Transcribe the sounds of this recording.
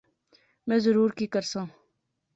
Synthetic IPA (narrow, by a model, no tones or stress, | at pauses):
mɛ̃ːzəɾuːɾkikəɾsãː